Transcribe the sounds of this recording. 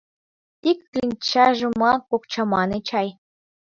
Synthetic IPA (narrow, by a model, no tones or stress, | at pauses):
t̪ikʲːlʲinʲt͡ɕɑʐumɑkukt͡ɕɑmɑnɤt͡ɕɑj